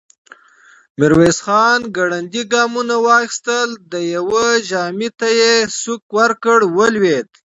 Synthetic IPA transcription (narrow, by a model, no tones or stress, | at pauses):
miɾwesxɑːnɡaɽand̪iɡɑːmunawɑːxi̥st̪əld̪əjawəʒɑːmit̪ajesukwaɾkəɽwəlwed̪